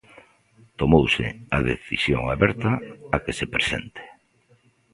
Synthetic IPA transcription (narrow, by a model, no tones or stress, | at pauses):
t̪omowsɪ̰aðḛθḭsjo̰ŋaβɛɾt̪ɐakesepɾesḛnt̪e̥